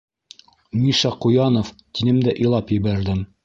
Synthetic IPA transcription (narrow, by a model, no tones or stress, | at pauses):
miʃɑqujɑnoft̪inɘmd̪æʔɤ̆jlˠɑpjɘ̆βæɾd̪ɘm